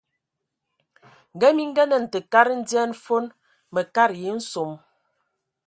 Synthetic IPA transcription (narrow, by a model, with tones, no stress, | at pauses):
ŋ̩˨ɡə˦mi˦ŋ̩˦ɡə˦nə˨n̩˨tə˨ka˦ɾn̩˦djɛ˦n˦fo˦n | mə˨ka˦ɾje˨˦n̩˦so˨m